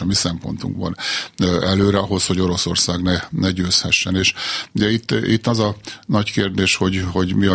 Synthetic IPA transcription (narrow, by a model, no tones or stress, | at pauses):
misɛmpo̞̰nt̪ṵŋɡbɒ̰n | ɛløːɾɛɒɦo̞sho̞ɟo̞ɾo̞so̞rsaːɡnɛnɛɟøːshɛʃːɛneːʃd̪ɛit̪ːit̪ːɒzɒnɒckeːrd̪eːʃho̞ɟho̞ɟmiɒ